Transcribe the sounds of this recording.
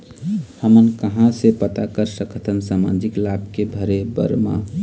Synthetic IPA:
həmənkəɦãsepət̪akəɾsəkʰət̪ʰənsamã̰d͡ʒiklab̚kebʱəɾebə̰ɾma̰

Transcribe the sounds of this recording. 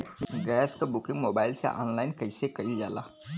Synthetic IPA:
ɡɛskabukĩŋɡmobaɪlsḛʔɔ̰nlajnkəjsekəid͡ʒala̰

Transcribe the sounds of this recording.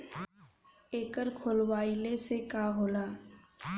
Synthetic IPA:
eːkəɾkʰolwaːilesekaːɦoːlaː

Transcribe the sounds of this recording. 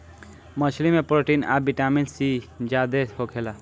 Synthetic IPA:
mʌsʰlimepɾoʈina̰biʈamensid͡ʒad̪ehokʰela

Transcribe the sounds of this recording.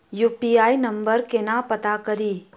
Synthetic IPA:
juːpiaːinɐ̃mbəɾkenapɐt̪akəɾiː

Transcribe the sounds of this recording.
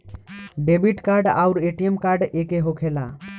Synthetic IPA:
bebiʈkaɾɖa̰ʊɾeʈijemkaɾɖekeɦokʰela

